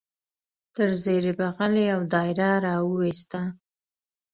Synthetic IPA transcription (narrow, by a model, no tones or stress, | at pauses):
t̪əɾzeɾɪbaɣaleawd̪ɑjɾaɾɑwəwest̪a